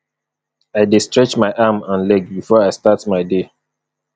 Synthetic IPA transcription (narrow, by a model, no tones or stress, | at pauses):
aɪdestɹɛt͡ʃmaɪʔamãnlɛɡbifɔaɪstatmaɪde